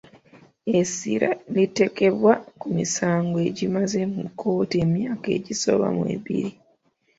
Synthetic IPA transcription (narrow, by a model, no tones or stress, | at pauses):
esḭɾalite̞ke̞βwakumisaːŋɡoe̞ɟimaze̞mukʰːo̞ːte̞mjaːke̞̰ɟiso̞̰βa̰mwḛβḭɾi